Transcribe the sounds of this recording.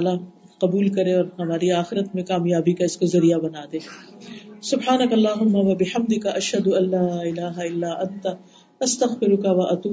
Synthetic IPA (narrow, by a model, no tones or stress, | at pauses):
la | qɐbuːlkɐɾẽɔːɾhɐmaːɾiaːxɪɾət̪mẽkaːmjaːbikaɪskozɐɾijabɐnaːd̪ẽː | sʊbħaːnɐkɐlːaːɦʊmːaʋɐbɪħɐmd̪ɪkɐʔɐʃɦɐd̪ʊɐlːaːɪlaːɦaɪlːaːʔɐ̃nt̪a | ɐst̪ɐɣfɪɾʊkɐʋɐʔɐt̪uː